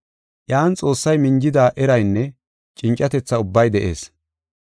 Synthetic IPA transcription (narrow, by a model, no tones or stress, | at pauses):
ʔjaːnt͡sʼo̞ːsːɐjmɪnd͡ʒɪd̪aːʔɛɾɐjnːɛ | t͡ʃʼɪnt͡ʃʼːɐt̪ɛt͡sːɐʊbːɐjd̪ɛʔe̞̰ːs